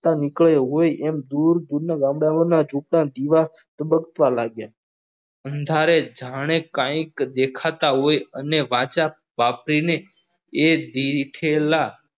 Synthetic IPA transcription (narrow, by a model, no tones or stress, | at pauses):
t̪anɪkɭəjɦojɛmd̪uɾd̪uɾnaɡãmɽamənad͡ʒupɽãd̪iʋat̪əbəkət̪ʋalaɡja | ənd̪ʱaɾed͡ʒʱaɽ̃ekãĩkd̪ekʰat̪aɦojəneʋãt͡ʃa | papɾine | ed̪iʈʰela